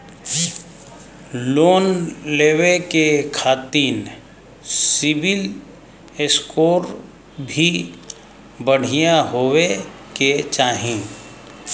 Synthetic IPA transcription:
loːnleːwekekʰaːt̪iːn | sɪbɪl | eskoːɾ | bʱi | bəɽ̤ijaɦoːweket͡ʃaːɦĩ

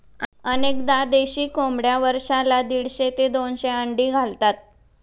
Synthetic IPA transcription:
ənekd̪ad̪eɕiːkomɽjaʋəɾʂalad̪iɽɕet̪ed̪onɕeəɳɖiːɡʱalt̪at̪̚

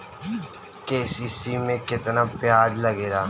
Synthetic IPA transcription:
keːsiːsimẽkɪt̪napjaːd͡ʒlɐɡeːɾaː

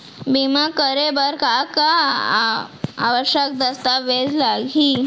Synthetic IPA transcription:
bimakəɾebəɾkaka | a̰ʋəɕjək̚d̪əst̪aʋed͡zlaɡʱi

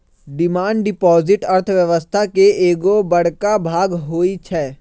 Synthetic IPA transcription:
ɖɪmaːɳɖɖɪpɔːzɪʈɐɾt̪ʰʋjəʋəst̪ʰakeeːɡobɐɽ̤kabʱaːɡɦoːit͡ʃʰɛː

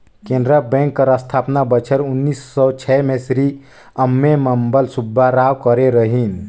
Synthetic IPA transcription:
kẽnd̪ɾəbɛ̃ŋkːəɾəst̪ʰapnabət͡ʃʰəɾunːisːɔt͡ʃʰɛmesɾi | əmːeməmbəlsubʱːaɾawkəɾeɾəɦin

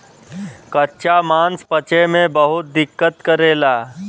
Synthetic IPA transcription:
kətːʃamãːnspət͡ʃemẽbəɦʊt̪̚d̪ɪkːət̪kəɾeːlaː

